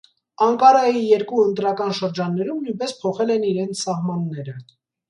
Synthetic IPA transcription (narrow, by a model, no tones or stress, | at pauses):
ɑŋkɑɾɑjijɛɾkuənt̪ɾɑkɑnʃəɾd͡ʒɑnːɛɾumnujnpɛspʰɔχɛlɛniɾɛnt͡sʰsɑhmɑnːɛɾə